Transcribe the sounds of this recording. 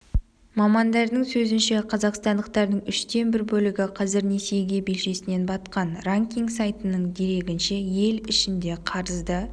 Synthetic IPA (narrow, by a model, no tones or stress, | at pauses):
mɑmɑnd̪ɑɾd̪əɴsɵzɪnʃe̞qʰɑzɑqst̪ɑnd̪əq̚t̪ɑɾd̪əɴʏʃt̪e̞nbɪɾbɵlɪɡʲɪqʰɑzɪɾne̞se̞jɡʲe̞be̞lʃe̞sɪne̞nbɑt̪qɑnraŋkʲiŋɡsajt̪ənəɴd̪e̞ɾe̞ɡʲɪnʃe̞je̞lɪʃɪnd̪e̞qʰɑɾəzd̪ə